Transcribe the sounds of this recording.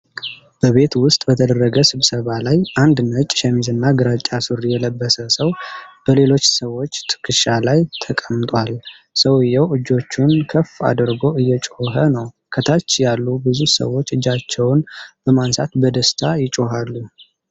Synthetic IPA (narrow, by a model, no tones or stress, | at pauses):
b̥əβe̞t̪wʊst̪ʼbət̪ʰəd̪ərːəɡəsɨβsəβalajand̪nət͡ʃʼʃɛmizɨnːaɡɨɾat͡ʃʼasuɾijɛləbːəsəsəwb̥əle̞lo̞t͡ʃːsəwːo̞t͡ʃːt̪ʰɨ̥kʰːɨʃalajt̪ʰəkʼəmt̪ʼwal | səwɨjːɛwɨd͡ʒːo̞t͡ʃːunkʰəfa̰d̪ɨɾɡo̞ɨjːɛt͡ʃʼoɦənəw | kʰət̪ʰat͡ʃːjalːubɨzusə̰wo̞t͡ʃːɨd͡ʒːat͡ʃːɛwnb̥əmansat̪bəd̪əst̪ʰajɪt͡ʃʼoɦalːu